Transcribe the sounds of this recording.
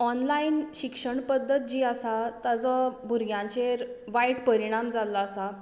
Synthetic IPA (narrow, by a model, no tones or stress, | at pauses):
ɔnlainɕikʂəɳpəd̪ʱːət̪̚d͡ʑiːasat̪ad͡zɔbʱuɾɡjãɲt͡ɕeɾʋaiʈpəɾiɽ̃amd͡zalːaːsa